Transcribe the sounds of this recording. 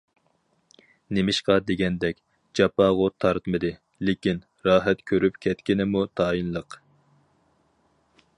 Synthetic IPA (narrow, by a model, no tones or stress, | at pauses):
nemɪʃqɑd̪eɡʲɛnd̪ɛkʲ | d͡ʒɑpɑːʁʊt̪ʰɑɾt̪mɨd̪ɨ | lɪkʲin | ɾɑːɦɛt̪kʲʰøɾypkʲʰɛt̪kʲinɪmut̪ʰɑːinlˠəq